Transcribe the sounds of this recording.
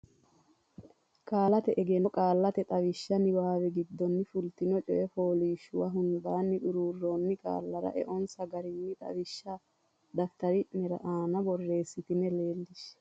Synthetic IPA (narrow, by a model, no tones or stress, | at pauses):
kʼaːlɐt̪ɛʔɛɡɛnɔkʼaːlːɐt̪ɛt̪ʼɐwɪʃːɐnɪwaːwɛɡɪd̪ːɔnːɪfʊlt̪ɪnɔt͡ʃʼɔʔɛfoːliːʃʊwɐɦʊnd̪aːnːɪʔʊɾuːrːoːnːɪkʼa̰ːlːɐɾɐ̰ʔɛ̰ʔɔnsɐɡɐɾɪnːɪt̪ʼɐ̰wɪʃːɐ | d̪ɐft̪ɐɾɪʔnɛɾɐʔaːnɐbɔrːe̞ːsːɪt̪ɪnɛle̞ːlːɪʃ